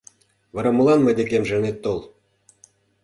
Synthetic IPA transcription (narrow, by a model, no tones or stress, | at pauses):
βɤ̆ɾɑmɤlˠɑnmɤd̪ʲekʲemʒĕnet̪ːolˠ